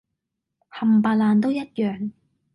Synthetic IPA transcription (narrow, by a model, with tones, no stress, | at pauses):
hɐ˨˩mpaː˧˩laː˨˧nt̪̬o˥wjɐ˥t̚jœː˨˩ŋ